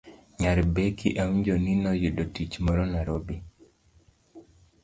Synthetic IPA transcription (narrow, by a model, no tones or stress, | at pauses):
ɲaɾbekḭʔawɲd͡ʒoninɔjudotit͡ʃmɔɾɔnaɾobi